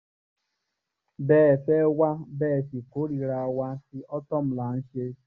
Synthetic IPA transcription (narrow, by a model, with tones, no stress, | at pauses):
bɛː˨fe˦wa˦bɛː˦˨fi˨ko˦ɾi˨ɾa˨wa˦si˦ɔ˦tɔ˦m̩˦la˨n̩˦ʃe˦